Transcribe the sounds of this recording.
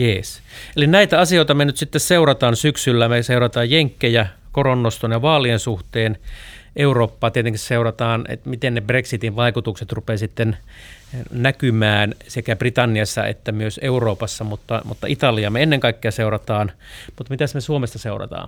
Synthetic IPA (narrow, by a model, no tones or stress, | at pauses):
jeːs | elinæit̪æɑsioit̪ɑmenyt̪sit̪ːesseurɑt̪ɑːnsyksylːæmeseurɑt̪ɑːjjeŋkːejækoronːost̪onjɑʋɑːliensuht̪eːnʔeuroːpːɑːt̪iet̪eŋkisseurɑt̪ɑːnḛt̪mit̪ennebreksit̪iʋʋɑikut̪ukset̪rupeːsit̪ːen | nækymæːnsekæb̥rit̪ɑnːiɑsːɑ̰ḛt̪ːæmyøseuroːpɑsːɑmut̪ːɑmṵt̪ːɑ̰ʔit̪ɑliɑmeenːeŋkɑikːeɑseurɑt̪ɑːnmut̪mit̪æsmesuomest̪ɑseurɑ̰t̪ɑ̰ːn